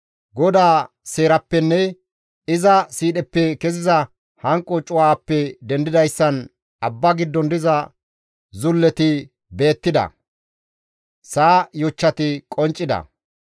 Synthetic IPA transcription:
ɡɔd̪aː | se̞ːɾɐpːɛnːɛ | ɪzɐsiːɗɛpːɛkɛzɪzɐ | hɐŋkʼːɔt͡ʃʼʊwaːpːɛd̪ɛnd̪ɪd̪ɐjsːɐn | ɐbːɐɡɪd̪ːɔnd̪ɪzɐ | zʊlːɛt̪ɪ | be̞ːt̪ːɪd̪ɐ̰ | saːjɔt͡ʃːɐt̪ɪkʼɔnt͡ʃʼːɪd̪ɐ̰

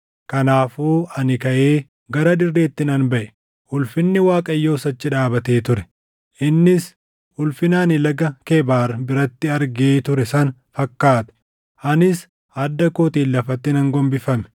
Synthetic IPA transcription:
kɐnaːfuːɐnɪkɐʔeː | ɡɐɾɐᶑ̪ɪrːe̞ːt̪ːɪnɐnbɐʔɛ | hʊlfɪnːɪwaːkʼɐjːo̞ːsɐt͡ʃːɪᶑaːbɐt̪e̞ːt̪ʊɾɛ̥ | ʔɪnːɪs | ʊlfɪnaːnɪlɐɡɐkeːbaːɾɐbɪɾɐt̪ːɪɐɾɡeːt̪ʊɾɛsɐnfɐkːaːt̪ɐ̥ | ʔɐnɪs | ɐd̪ːɐkoːt̪iːlːɐfɐt̪ːɪnɐŋɡɔmbɪfɐmɛ̥

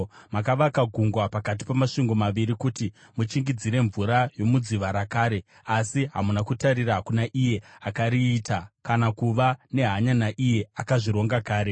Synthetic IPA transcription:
makaʋakaɡʱuŋɡwapakat̬i̥pamaʂiŋɡo̞maʋiɾikuti | mut͡ʃiŋɡid͡ziɾe̞ɱvuɾajo̞mud͡ziʋaɾakaːɾe̞ | asiɦamunakutaɾiɾaɦakunaʔije̞akaɾiːtakanakuʋane̞ɦaɲanaʔije̞akaʐiɾo̞ŋɡakaːɾe̞

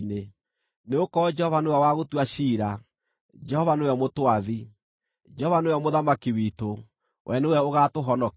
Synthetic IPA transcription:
ne | neokɔd͡ʒɛhɔvanoɛwaɣotwaʃiːɾa | d͡ʒɛhɔvanejɔmotwaði | d͡ʒɛɔvanojɔmoðamakiwito | wʔɛnewɛoɣatoɦɔnɔ

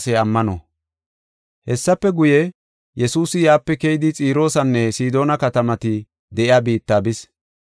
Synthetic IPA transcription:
sɛɐmːɐnɔ̰ | hɛsːɐpːɛɡʊjɛ | jɛsuːsɪjaːpːɛkejɪd̪ɪt͡sʼiːɾo̞ːsɐnːɛsiːd̪o̞ːnɐkɐt̪ɐmɐt̪ɪ | d̪ɛʔɪaːbiːt̪ːaːbɪs

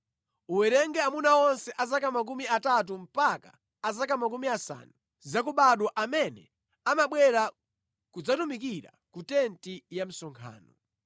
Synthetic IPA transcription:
uwɛɾɛŋɡɛamunaɔnsɛʔazakamak̬umiatat̬um̩paka̰ː | zakamakumiasa̰nu | zakuɓaɗɔʔamɛnɛ̰ | amaɓwɛɾa | kud͡zatumikiɾa̰ | kutɛntijam̩sɔŋkʰa̰ːnɔ̰

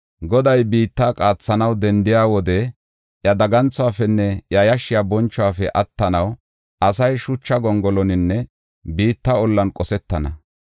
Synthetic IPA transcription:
ɡɔd̪ɐjbiːt̪ːaːkʼaːt͡sːɐnɐwd̪ɛnd̪ɪjaːwɔd̪ɛ | jɐd̪ɐɡɐnt͡sːʊaːfɛnːɛjɐjɐʃːɪjabɔnt͡ʃːɔwaːfɛʔɐt̪ːɐnɐw | ʔɐsɐjʃʊt͡ʃːɐɡɔŋɡɔlɔnɪnːɛ | biːt̪ːɐɔlːɐnkʼɔsɛt̪ːɐnɐ

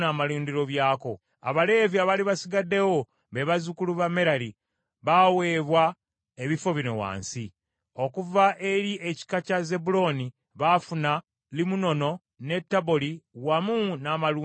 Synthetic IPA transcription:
naːmaluːndiɾo̞βjaːko̞ | a̰βale̞viaβaliβasiɡadːe̞wo̞ | βeβazukuluβame̞ɾali | βawe̞ːβwa | eβifo̞βino̞̰wa̰ːnsi | o̞kuvaʔe̞ɾiʔeci̥kacaze̞bulo̞ni | βafuna | limuno̞no̞ | ne̞tːaβoliwamunaːmaluː

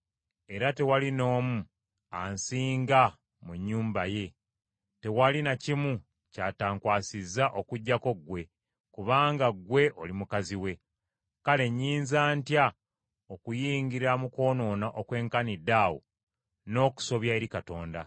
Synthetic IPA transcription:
e̞ɾate̞walino̞ːmu | ansiːŋɡa | muɲːuːmbaje̞ | te̞walinacimu | caːtaːŋkwaːsizːaʔo̞kuɟːako̞ɡwe̞ | kuβaːŋɡaɡwe̞ʔo̞limukaziwe̞ | kale̞ɲːiːnzaːntja | okujiːŋɡiɾamuko̞ːno̞ːnaʔokwe̞ːŋkanidaːwo̰ | no̞ːku̥so̞βjaeɾikato̞ːnda̰

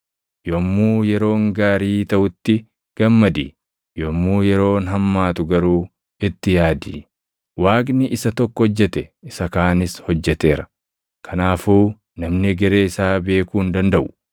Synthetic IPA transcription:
jomːuːjɛɾo̞ːŋɡaːɾiːt̪ɐʔʊt̪ːɪ | ɡ̥ɐmːɐd̪ḭː | jomːuːjɛɾo̞ːnɦɐmːaːt̪ʊɡɐɾuː | ɪt̪ːɪjaːd̪iː | waːɡnɪʔɪsɐt̪ɔkːɔhɔd͡ʒːɛt̪ɛɪsɐkaːnɪshɔd͡ʒːɛt̪e̞ːɾɐ | kʰɐnaːfuː | nɐmnɪɡɛɾe̞ːɪsaːbe̞ːkuːnd̪ɐnd̪ɐʔʊ̥

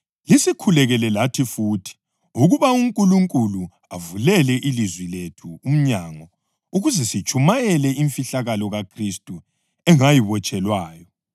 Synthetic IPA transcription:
lisikʰulɛɣɛlɛlatʰifuːtʰi̥ | uɣuβauŋkʼuluŋkʼulu | avulɛlɛʔilizwiletʰuːm̩ɲaŋɔ | uɣuzɛsit͡ʃʰʼumajɛlɛiɱfiɬaɣalɔɣakʰristʼu | ɛŋajiβɔt͡ʃʼɛlwaːjɔ

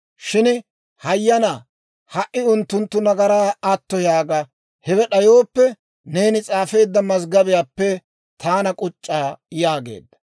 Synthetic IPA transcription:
ʃɪn | hɐjːɐna | hɐʔɪʊnt̪ːʊnt̪ːʊnɐɡɐɾaːɐt̪ːɔjaːɡɐ | hɛwɛɗɐjoːpːɛ | ne̞ːnɪt͡sʼaːfe̞ːd̪ːɐmɐz̬ɡɐbɪjaːpːɛ | t̪ʰaːnɐkʼʊt͡ʃʼːaːjaːɡe̞̰ːd̪ːɐ̥

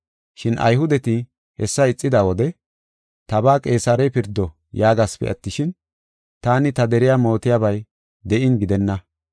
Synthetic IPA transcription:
ʃɪnʔɐ̰jɦʊd̪ɛt̪ɪ | hɛsːɐɪt͡sʼːɪd̪aːwɔd̪ɛ | t̪ɐbaːkʼe̞ːsɐɾɛjpɪɾd̪ːɔ | jaːɡaspɛ̰ʔɐt̪ːɪʃɪn | t̪aːnɪt̪ɐd̪ɛɾɪjaːmo̞ːt̪ɪjaːbɐj | d̪ɛʔɪnɡɪd̪ɛnːɐ

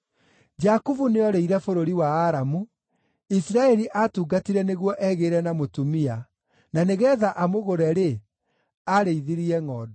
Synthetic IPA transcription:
d͡ʒakuvuneɔɾeiɾɛfoɾoɾiwaːɾamu | isiɾaɛɾiʔatuːɡatiɾɛneɣwɔʔɛɣeːɾɛnamotumia | naneɣɛðaʔamoɣoɾɛɾe | aɾeiðiɾiɛŋɔːdɔ

